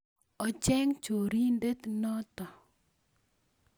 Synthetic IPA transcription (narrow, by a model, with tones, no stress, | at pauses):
ɔ˦t͡ʃɛ˦ŋt͡ʃo˨ɾi˦nde˦t̪nɔ˦t̪ɔ˨